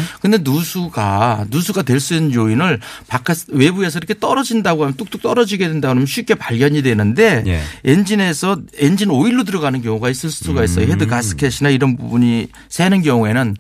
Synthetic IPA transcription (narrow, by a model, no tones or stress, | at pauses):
kɯnde̞nusʰuɡanusʰuɡadwe̞ɭs͈uinːɯnjoinɯɭpakʰaswe̞bue̞s̬ʰʌiɾʌkʰe̞t͈ʌɾʌd͡ʑindaɡoɦamjʌnt͈uk̚t͈uk̚t͈ʌɾʌd͡ʑiɡe̞dwe̞ndaɡoɦamjʌnɕʰɥik͈e̞paɭɡjʌɲidwe̞nɯnde̞jend͡ʑine̞sʰʌend͡ʑinɯɾoiɭːodɯɾʌɡanɯnkjʌŋuɡais͈ɯɭsʰɯ̥tʰuɡais͈ʌjoɦedɯkas͈ʰɯ̥kʰeɕʰinaiɾʌnbubuɲi | sʰenɯnɡjʌŋue̞nɯn